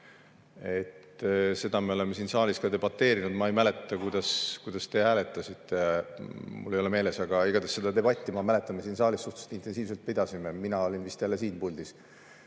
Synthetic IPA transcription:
e̞t̪se̞d̪̥ɑme̞o̞le̞mesiːnsɑːlʲiskɑd̪e̞b̥ɑt̪ːe̞ːɾinud̪mɑe̞jmæle̞t̪ːˑɑkujd̪ɑskujd̪̥ɑst̪e̞æːle̞t̪ːˑɑsit̪ˑːe | mṵlːejo̞leme̞ːle̞sɑɡ̥ɑiɡ̥ɑd̪esːe̞d̪̥ɑd̪e̞bɑt̪ʲːimɑmæle̞t̪ːˑɑmesiːnsɑːlʲisːuht̪u̥st̪int̪ːˑe̞nsiːvs̬elt̪̚ped̪̥ɑsimeminɑo̞lʲinvist̪ælːe̞siːnpulʲd̪̥is

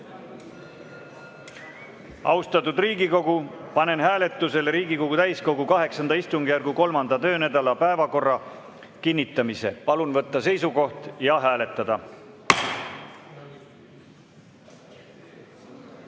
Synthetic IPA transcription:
ɑ̰wst̪ɑt̪ˑud̪riːɡiko̞ɡ̥upɑne̞nɦæːle̞t̪ːˑuse̞lɾiːɡiko̞ɡ̥ut̪æjsko̞ɡukɑɦe̞ksɑnd̪ɑist̪uŋɡejærɡuko̞lmɑnd̪̥ɑt̪ø̞ːnæd̪̥ɑlɑpæe̞vɑko̞rːɑ | kinʲːit̪ːˑɑmise̞̰pɑlunvɤt̪ːɑse̞jsuko̞ht̪jɑɦæːle̞t̪ːˑɑd̪̥ɑ

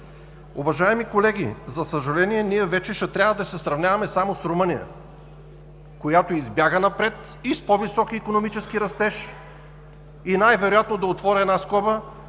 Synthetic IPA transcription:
uvɐʒaɛmikolɛɡʲḭzɐsəʒɐlɛniɛniɛvɛt͡ʃɛʃɛt̪ɾʲavəd̪ɐsɛsɾɐvnʲavɐmɛsamosɾomɤnijə̰ | kojat̪oizbjaɡənɐpɾɛt̪ | ispɔvisɔkiːkonomit͡ʃɛskiɾɐst̪ɛʃ | inajvɛɾojat̪nod̪ɐot̪vɔɾʲɛɛd̪naskɔbə

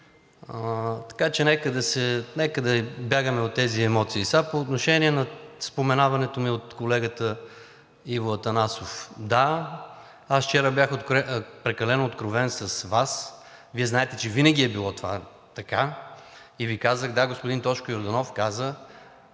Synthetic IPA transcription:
t̪ɐ̥kat͡ʃɛnɛkəd̪ɐsɛnɛkəd̪ɐbjaɡəmɛot̪ːɛziɛmɔt̪siːsapoːt̪noʃɛniɛnɐspomɛnavɐnɛt̪omiot̪kolɛɡət̪ə | ivoət̪ɐnasofd̪a | asft͡ʃɛɾəbjaxot̪kɾɛpɾɛkɐlɛnoːt̪kɾovɛnsɐsvas | viɛznaɛt̪ɛt͡ʃɛvinəɡ̟ʲiɛbilˠɔt̪ova̰ | t̪ɐka | ivikazəxd̪aɡospʊd̪int̪ɔt͡ʃkʊjoɾd̪ɐnɔfkazə

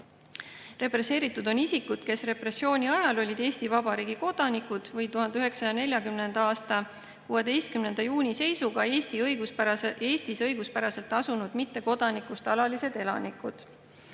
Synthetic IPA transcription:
re̞pre̞sːe̞ːɾit̪ːˑud̪o̞nisikud̪̥ke̞sre̞prɾe̞sːjo̞ːnʲiɑjɑlo̞lʲid̪̥e̞ːst̪ivɑbɑɾiːɡ̥iko̞d̪̥ɑnikud̪̥vɤjt̪uhɦɑnd̪eyɦe̞ksɑjɑne̞lʲjɑkymne̞nd̪ɑɑːst̪ɑ | kuːe̞d̪e̞jst̪̚kymne̞nd̪̥ɑjuːnʲise̞jsuɡ̥ɑe̞ːst̪iɤjɡuspe̞ːst̪isɤjɡuspæɾɑse̞lt̪ːˑɑsunud̪̥mit̪ːe̞ko̞d̪̥ɑnikust̪ɑlɑlise̞d̪̥e̞lɑ̰nikːˑud̪̥

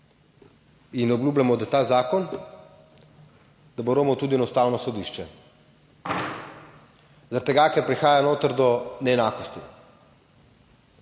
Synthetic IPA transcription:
inɔblʲuːblʲjamɔd̪at̪azaːkɔn | d̪aboɾoːmɔt̪uːd̪iɛnɔst̪aːwnɔsɔd̪iʃt͡ʃɛ | zaɾat̪ːɛɡakɛɾpɾixaːjanoːt̪əɾd̪ɔnɛɛnaːkɔst̪i

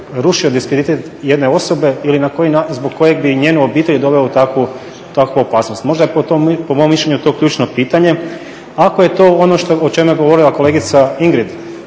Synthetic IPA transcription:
ɾuʃio̞d̪iskɾed̪it̪et̪je̞d̪ne̞o̞so̞be̞ilinakojinazbokkːo̞je̞ɡ̚biɲeːnuo̞biːt̪e̞ʎud̪o̞ʋeot̪akʋu | t̪akʋuo̞paːsnost̪mo̞ʒd̪apot̪opomomːiʃʎʲeɲut̪o̞kʎuːt͡ʃno̞piːt̪aɲe̞ | ako̞je̞t̪o̞ːo̞noʃt̪oot͡ʃe̞mjeɡo̞ʋo̞ɾilˠako̞le̞ːɡit̪saiŋɡɾid̪

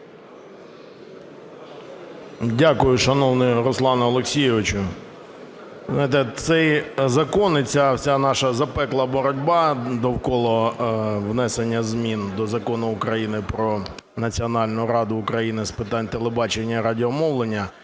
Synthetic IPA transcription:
dʲakʊjʊʃɐnɔwnɪɾɔslˠɑnʊɔlˠeksʲijɪʋɪt͡ʃʊ | znjɪt̪ɛt̪sɛjzɐkɔnɪt͡sʲawsʲanɑʃɐzɐpɛklˠɐbɔɾɔdʲbɑd̪ɔwkɔlˠɔ | wnɛsenʲːɐzmʲind̪ɔzɐkɔnʊʊkɾɐjinɪpɾɔ | nɐt͡sʲiɔnɑlʲnʊʊɾɑd̪ʊːkɾɐjinɪspɪt̪ɑnʲt̪elˠebɑt͡ʃenʲːɐɾɑdʲɪɔmɔwlˠenʲːɐ

